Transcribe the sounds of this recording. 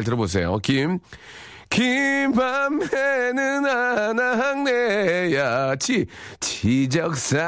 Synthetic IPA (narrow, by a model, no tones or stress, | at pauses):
ɭt̬ɯɾʌbos̬ʰejo̰kim | kimbamenɯnanaɦaŋnejat͡ɕʰit͡ɕʰid͡ʑʌk̚s͈a